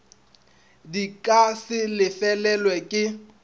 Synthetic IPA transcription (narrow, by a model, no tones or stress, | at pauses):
dikʼasɪlɪfɛlɛlwɛkʼɪ